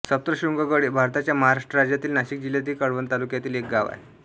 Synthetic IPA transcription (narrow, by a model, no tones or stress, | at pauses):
səp̚t̪ɾəɕuŋɡəɡəɽiːbʱaɾt̪at͡ɕjaməɦaɾaʂʈɾəɾad͡ʑjat̪iːlnaɕik̚d͡ʑiljat̪iːkəɽʋənt̪alukjat̪iːlek̚ɡaʋa̰j